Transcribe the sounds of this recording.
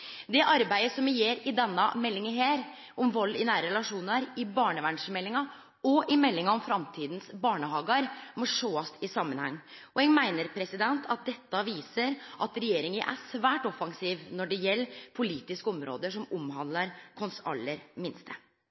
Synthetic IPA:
d̪ɛʔɑɾbæɪəsɔmɪjeːɾɪd̪ɛnːɑmɛlːɪŋəɦeːɾ | ʔɔmʋɑlːɪnæːɾəɾɛlɑʂuːnəɾɪbɑːɳəʋæɳʂəmɛlːɪŋɑ | ɔʔɪmɛlːɪŋɑɔmfɾɑmt̪ʰiːd̪n̩sbɑːɳəhɑːɡɑɾmɔʂoːɑst̪ɪsɑmːənhɑ̰ŋːʔɔɛŋmæɪnəɾpʰɾɛsɪd̪ɛnt̪ʰɑt̪̚d̪ɛt̪ːɑʋiːsəɾʔɑt̪ɾɛjeːɾɪŋəʔæ̰sʋæːʈɔfɑŋsiːʋnɔɖɛjɛlːpʰʊliːt̪ɪskɔmɾo̰ːd̪əʂɔmɔmɦɑnd̪lɑɾkʰɔnsɑ̰lːəɾmɪnst̪ʰə

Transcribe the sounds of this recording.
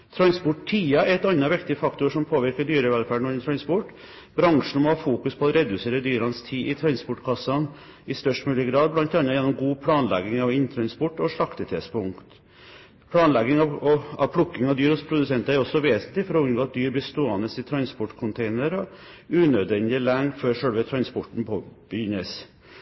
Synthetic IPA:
t̪ʰɾɑnspʊʈtʰiːɑɛɾɛt̪ɑnːɑʋɪkt̪ɪəfɑkt̪ʊɾʂɔmpʰoːʋɪɾkəɖyːɾəʋɛlfæːɖɳɔnt̪ʰɾɑnspɔʈː | b̥ɾɑŋʂɳ̩mɔhɑːfuːkʉspʰɔɔɾɛd̪ʉseːɾəd̪yːɾɑnst̪ʰiːʔɪt̪ʰɾɑnspɔʈkʰɑsːɑn | ɪst̪œʂʈmʉːlɪəɡɾɑːd̪blɑnt̪ɑnːɑjɛnːɔmɡuːpʰlɑːnlɛ̰ɡɪŋɑʋɪnːt̪ʰɾɑnspɔʈːɔʂɭɑkt̪ət̪ʰɛspʊŋkt̪ | pʰlɑːnlɛɡɪŋɑɑ̰ʋpʰlʊkːɪŋɑʋd̪yːɾɔspʰɾʊd̪ʉsɛnt̪ɑæɾɔsːɔʋeːsnt̪lɪfɔɾɔʉnɡoːt̪̚d̪yːɾbəst̪oːɑnəsɪt̪ʰɾɑnspɔʈkʰʊnt̪ʰeɪnəɾɔ | ʉːnøːd̪ʋɛnd̪ɪlæŋføːɾʂɛlʋət̪ʰɾɑnspɔʈɳ̩pʰob̥əjʏnːəs

